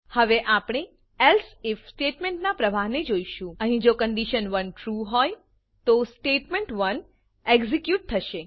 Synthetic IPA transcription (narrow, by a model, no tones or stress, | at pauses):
həʋeʔapɳ̃e | ɛlsɪfsʈeʈmẽɳʈnapɾəʋaɦned͡ʒoiʃũəɦĩd͡ʒokəɳɖiʃənʋənʈɾuɦɔj | t̪osʈeʈmẽɳʈʋən | eɡzikjuʈ̚t̪ʰəʃe